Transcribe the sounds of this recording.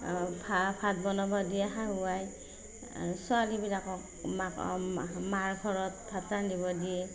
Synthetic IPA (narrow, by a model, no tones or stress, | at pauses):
pʰapʰat̚bɔnɔbɔdiaɦauaj | sɔalibilakɔk | mkmaɹɡʱɔɹɔt̚pʰatanibɔdiɛ